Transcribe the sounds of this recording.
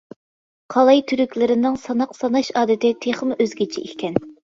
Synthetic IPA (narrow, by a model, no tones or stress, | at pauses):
qʰɑlˠɑjt̪ʰyɾykʲlɪɾɪnɪŋsɑnɑqsɑnɑʃɑːd̪ɨt̪ɪt̪ʰeχmʔøzɡʲit͡ʃʰḭḭkʲkʲɛn